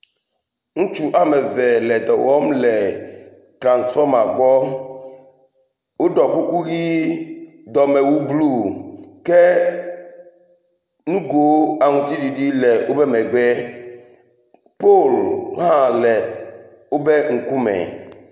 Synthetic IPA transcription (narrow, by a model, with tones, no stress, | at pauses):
ŋũ˦t͡ʃu˨ʔa˨mɛ˨vɛ˨lɛ˨d̪ɔ˨wɔ˦mlɛ˨ | tɾã˨nsfɔ˦ma˨ɡ͡bɔ˦ | wo˦ɖɔ˨ku˦ku˦ɣi˦ | d̪ɔ˨mɛ˨wu˦blu˦˨kɛ˦ | nũ˦ɡo˨˦a˨ŋũ˨t̪i˦di˨di˦lɛ˨wo˦bɛ˦mɛ˨ɡ͡bɛ˦ | po˦˨lɦã˦lɛ˨ | wo˦bɛ˦ŋ̩˨ku˦mɛ̰̃˨